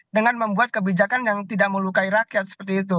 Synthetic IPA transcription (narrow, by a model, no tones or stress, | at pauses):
dəŋanməmbuat̪̚kəbid͡ʒakanjaŋt̪idaʔməlukaiɾakiat̪̚sə̥pərt̪iːt̪̬u